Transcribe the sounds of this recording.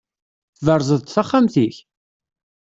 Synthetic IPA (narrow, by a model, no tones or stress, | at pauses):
θvəɾˤzˤəðt̪θaχːamθiç